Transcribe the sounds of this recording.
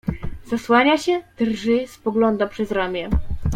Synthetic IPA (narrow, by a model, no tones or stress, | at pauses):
z̥aswaɲaɕɛt̪rʐɘspɔɡlɔnd̪apʂɛzɾamʲjɛ